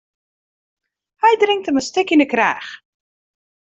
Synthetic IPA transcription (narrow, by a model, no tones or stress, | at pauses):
hɛjdrɪŋk̚təməstɪkɪnəkrɛ̰ːχ